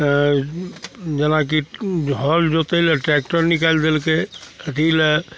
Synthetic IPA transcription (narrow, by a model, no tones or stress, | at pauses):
d͡ʒənakiɦɔld͡ʒot̪eilɛʈɾɛk̚ʈəɾnikald̪elket̪ilɛ